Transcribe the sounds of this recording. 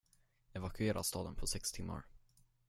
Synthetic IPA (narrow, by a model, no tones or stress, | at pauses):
ɛvakʰɵeːɾʔa̰st̪ɑːd̪ənpʰɔsɛkst̪ʰɪmːa̰ɾ